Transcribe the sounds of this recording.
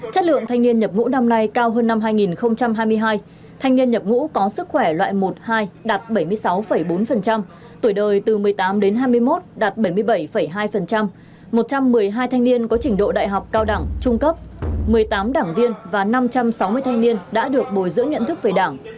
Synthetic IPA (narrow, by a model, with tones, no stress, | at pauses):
t͡ɕə˦˥t̚lɨ̰˧˨əŋt̪ʰa˧ŋni˧ənɲə˨˩p̚ŋṵ˧˥na˧mna˧jkaː˧wɦəː˧nːa˧mɦaː˧jŋi˨˩nxə˧wŋ͡mt͡ɕa˧mɦaː˧jmɨ˧əjɦaː˧j | t̪ʰa˧jŋni˧ənɲə˨˩p̚ŋṵ˧˥kɔ˨˦sɨ˦˥k̚xwɛ˧˩lwa̰ː˧˨jmo˨˩t̚haː˧jɗaː˨˩t̚ɓə˧˩jmɨ˧əjsa˨˦wfə˧˩jɓo˨˦nfə˨˩nt͡ɕa˧m | t̪jɗəː˨˩jt̪ɨ˨˩mɨ˨˩əjt̪aː˨˦mɗe˨˦nɦaː˧jmɨ˧əjmo˦˥t̚ɗaː˨˩t̚ɓə˧˩jmɨ˧əjɓə˧˩jfə˧˩jɦaː˧jfə˨˩nt͡ɕa˧m | mo˨˩t̚t͡ɕa˧mːɨ˨˩əjɦaː˧jt̪ʰa˧jŋni˧ənkɔ˨˦t͡ɕï˧˩ŋ̟ɗo̰˧˨ɗa̰ː˧˨jɦa˨˩wk͡p̚kaː˧wɗa˧˩ŋt͡ɕʊ˧ŋ͡mkə˦˥p̚mɨ˨˩əjt̪aː˨˦mɗaː˧˩ŋvi˧ənvaː˨˩na˧mt͡ɕa˧msa˨˦wmɨ˧əjt̪ʰa˧ŋni˧ənɗa̰ː˧˥ɗɨ˨˩ək̚ɓo˨˩jzɨ̰˧˥əŋə̰˧˨nt̪ʰɨ˦˥k̚ve˨˩ɗaː˧˩ŋ